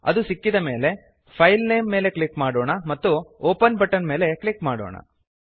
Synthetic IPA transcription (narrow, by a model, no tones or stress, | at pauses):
ɐ̰d̪usikːid̪ɐme̞ːle̞ | pʰɐjlneːmːe̞ːle̞klikmaːɽoːɳɐmɐt̪ːuoːpɐnbɐʈːɐnme̞ːle̞klikmaːɽo̰ːɳɐ̰